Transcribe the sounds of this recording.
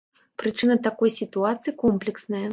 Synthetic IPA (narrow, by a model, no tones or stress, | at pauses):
pɾɨt͡ʂɨnɐt̪akɔjsʲit̪uat̪sɨjikɔmplʲɛksnɐjɐ